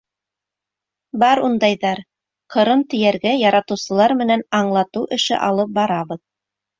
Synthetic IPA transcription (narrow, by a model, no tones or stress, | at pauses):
bɑɾund̪ɑjðɑɾ | qʰɤ̆ɾɤmt̪ɵ̆jæɾɡæjɑɾɑt̪ɤ̆wsɤ̆lˠɑɾmɘ̆nænɑɴlˠɑt̪ɤwʔɘ̆ʃɘ̰ʔɑlˠɤp̚bɑɾɑβɤð